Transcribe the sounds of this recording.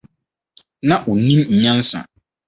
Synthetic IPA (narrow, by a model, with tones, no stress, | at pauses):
nã˦ʔʊ˨nĩ˦mɲ̩˨ɲã˦n˦sã̰˨